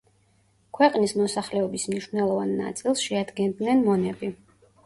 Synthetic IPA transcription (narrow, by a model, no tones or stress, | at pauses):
kʰwɛqʼnismɔsaχlɛɔbismniʃvnɛlˠɔvanːa̰t̪sʼilˠsʃɛad̪ɡɛnd̪nɛnmɔnɛbi